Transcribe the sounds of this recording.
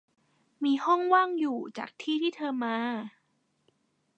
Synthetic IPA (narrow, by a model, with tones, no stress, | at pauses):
miː˧hɔ˥˩ŋwaː˥˩ŋjuː˨˩t͡ɕa̰ː˨˩k̚t̪ʰiː˥˩t̪ʰiː˥˩t̪ʰɤː˧maː˧